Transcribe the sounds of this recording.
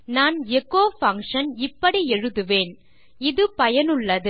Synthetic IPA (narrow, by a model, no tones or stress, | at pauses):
naːnɛkːoːfɐŋkʂɐnɪpːɐɽiɛɻɯðɯʋeːn | ɪðɯpɐjɐnɯɭːɐðɯ